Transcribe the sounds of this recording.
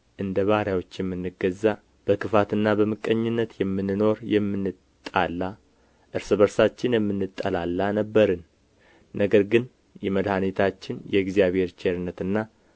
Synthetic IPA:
ʔɨnd̪əβaɾjawo̞t͡ʃːjɛmːɨnːɨɡəzːa | b̥əkʰɨfat̪ɨnːabəmɨkʼːəɲːɪnːət̪jɛmːɨnːɨno̞ɾjɛmːɨnːɨtt̪ʼːalːa | ʔɨɾsɨβəɾsat͡ʃːɪnjɛmːɨnːɨt̪ʼːəlalːanəbːəɾən | nəɡəɾɡɨn | jɛməd̪hanet̪ʰat͡ʃːɪnjɛɡzijaβhe̞ɾt͡ʃʰeɾɨnːət̪ɨnːa

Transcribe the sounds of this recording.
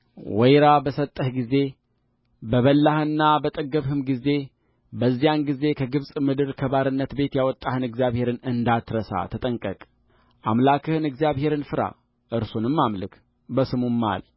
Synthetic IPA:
wɛjɾabəsət̪ʼːəhɡize̞ | bəβəlːahɨnːabət̪ʼəɡəβhɨmɡize̞ | bəzːijanɡize̞kʰəɡɨβsʼmɨd̪ɨɾkʰəβaɾɨnːət̪be̞t̪jawɔt̪ʼːahɨnɨɡzjaβhe̞ɾɨnɨnd̪at̪ɾəsa̰t̪ʰət̪ʼəŋkʼəkʼ | ʔamlakʰɨhɨnɨɡzijaβhe̞ɾɨnfɨɾa̰ | ʔɨɾsonɨmːamlɨkʰ | bəsɨmumːa̰l

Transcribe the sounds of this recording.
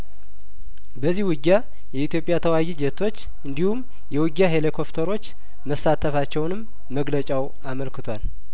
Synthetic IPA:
bəzːihwɨɡːa | jɛit̪jo̞pʼjat̪ʰəwajid͡ʒɛt̪ʰo̞t͡ʃː | ɨnd̪ihum | jɛwɨɡːaɦelekʰo̞pt̪ʰəɾo̞t͡ʃː | məsat̪ʰəfat͡ʃːɛwnɨmː | əɡlət͡ʃʼaw | aməlkɨt̪ʰwal

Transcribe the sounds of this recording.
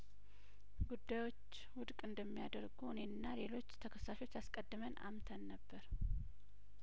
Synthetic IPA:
ɡud̪ːajwo̞t͡ʃː | wʊd̪kʼɨnd̪əmːijad̪əɾɡunenːale̞lo̞t͡ʃːt̪ʰəkʰəsːaʃo̞t͡ʃːaskʼəd̪ːɨməna̰mt̪ʰənːəbːəɾ

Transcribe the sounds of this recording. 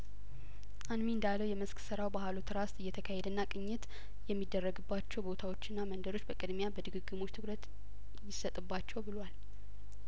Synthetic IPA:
ʔanmiɨnd̪alːəwjɛməsksɨɾawbahalot̪ʰɾast̪ʼɨjːɛt̪ʰəkʰahed̪ənːakʼɨɲːɪt̪ | jɛmːid̪ːərːəɡɨbːat͡ʃːɛwbo̞t̪ʰawo̞t͡ʃːɪnːamənd̪əɾo̞t͡ʃːbəkʼɨd̪mjabəd̪ɨɡɨɡːɨmo̞t͡ʃːt̪ʰɨkɾət̪ | jɪsət̪ʼɨbːat͡ʃːɛwbɨlwal

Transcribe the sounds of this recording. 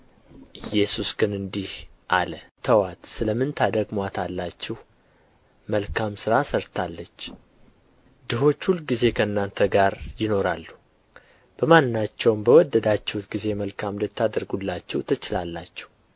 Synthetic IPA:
ʔɨjːɛsusɡɨnɨnd̪ihʔalət̪ʰəwat̪sɨləmɨnt̪ʰad̪əɡmat̪ʰalːat͡ʃːɛh | məlkʰamsɨɾasəɾt̪ʰalːət͡ʃː | d̪ɨɦo̞t͡ʃːhulɡize̞kʰəɨnːant̪ʰəɡaɾjɪno̞ɾalːu | b̥əmannːat͡ʃːɛwmbəwɔd̪ːəd̪at͡ʃːɛhut̪ɡize̞məlkʰamd̪ət̪ʰːad̪əɾɡulːat͡ʃːɛwt̪ʰət͡ʃɪlalːat͡ʃːɛ̥h

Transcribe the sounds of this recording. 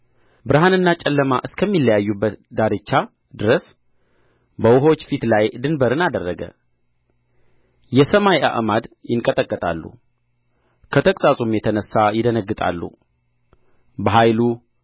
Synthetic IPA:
bɨɾɦanɨnːat͡ʃʼɛlːəmaʔɨskʰəmːilːəjajːubːət̪d̪aɾɨt͡ʃːa | d̪ɨɾəs | bəwʊɦot͡ʃːfit̪lajd̪ɨnbəɾɨnad̪ərːəɡə̰ | jɛsəmajʔa̰ʔmad̪jɪŋkʼət̪ʼəkʼːət̪ʼa̰lːṵ | kʰət̪ʰəkʼsʼasʼumjɛt̪ʰənəsːajɪd̪ənəɡːɨt̪ʼa̰lːṵ | bəɦajlu

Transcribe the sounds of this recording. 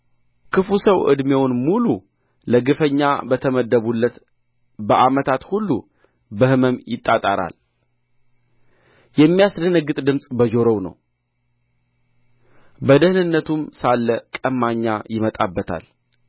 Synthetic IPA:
kʰɨfusəwʔɨ̰d̪mewnmulu | ləɡɨfəɲːa̰bət̪ʰəməd̪ːəβulːət̪ | bəʔamət̪ʰat̪hulːṵ | bəhɨməmjɪt̪ʼːat̪ʼaɾa̰l | jɛmːijasd̪ənəɡːɨt̪ʼd̪ɨmsʼbəd͡ʒo̞ɾownə̰w | bəd̪əhɨnɨnːət̪ʰumsalːəkʼəmːaɲːajɪmət̪ʼabːət̪ʰa̰l

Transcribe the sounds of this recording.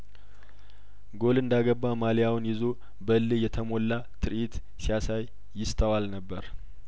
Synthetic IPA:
ɡo̞lɨnd̪aɡəbːamaljawnjɪzo | bəlːɨjɛt̪ʰəmo̞lːa | t̪ʰɨɾit̪ | sijasajː | ɪst̪ʼəwalnəbːəɾ

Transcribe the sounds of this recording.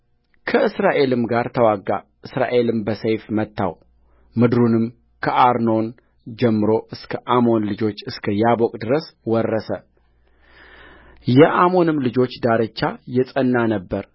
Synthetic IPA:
kʰəɨsɾaʔe̞lɨmɡaɾt̪ʰəwaɡːa̰ʔɨsɾa̰ʔe̞lɨmbəsəjfmət̪ːa̰w | mɨd̪ɾunɨm | kʰəʔaɾno̞n | d͡ʒɛmːɨɾo̞ʔɨskʰəʔamo̞nlɨd͡ʒo̞t͡ʃːɨskʰəjabokʼd̪ɨɾəswɔrːəsə | jɛʔamo̞nɨmlɨd͡ʒo̞t͡ʃːd̪aɾət͡ʃːajɛsʼənːanəbːəɾ

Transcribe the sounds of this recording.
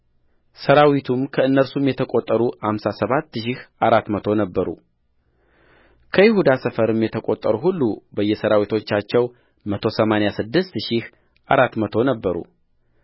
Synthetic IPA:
səɾawit̪ʰumkʰəɨnːəɾsumjɛt̪ʰəkʼot̪ʼːəɾuhamsasəβat̪ːʃihaɾat̪mət̪ʰo̞nəbːəɾṵ | kʰəjɪhud̪asəfəɾɨmjɛt̪ʰəkʼot̪ʼːəɾuɦulːubəjːɛsəɾawit̪ʰo̞t͡ʃːat͡ʃːɛw | mət̪ʰo̞səmanejasɨd̪ːɨst̪ʃih | ʔaɾat̪mət̪ʰo̞nəbːəɾṵ

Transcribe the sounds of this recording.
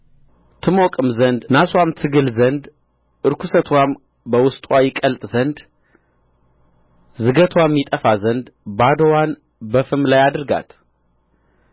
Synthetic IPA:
t̪ʰɨmokʼɨmzənd̪naswamt̪ʰɨɡɨlzənd̪ | ʔɨɾkʰusət̪ʰwam | bəwʊst̪ʼwajɪkʼəlt̪ʼzənd̪ | zɨɡət̪ʰwamːjit̪ʼəfazənd̪bad̪əwan | bəfɨmlajad̪ɨɾɡa̰t̪

